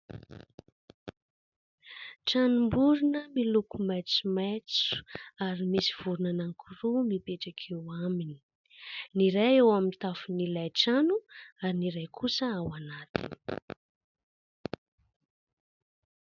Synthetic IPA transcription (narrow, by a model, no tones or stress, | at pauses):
ʈ͡ʂanumbuɾunəmilukumajt͡sumat͡su̥aɾimisi̥v̥uɾunanaŋkʰuɾumipeʈ͡ʂakʰewamini̥ | niɾajewamint̪afunilajʈ͡ʂanuaɾiniɾajkʰusəawanat̪ʰḭni̥